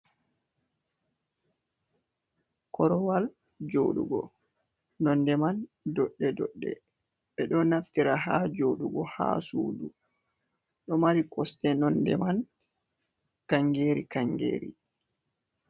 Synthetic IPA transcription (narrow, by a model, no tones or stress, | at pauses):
kɔɾɔwal | d͡ʒo̰ːɗṵɡɔ̰ | nɔndɛman | dɔɗːɛdɔɗːɛ̰ | ɓɛɗɔnaftiɾaɦad͡ʒoɗuɡɔha̰suːdu | ɗɔmaɾikɔstɛnɔndɛ̰man | kaŋɡeːɾikaŋɡḛːɾḭ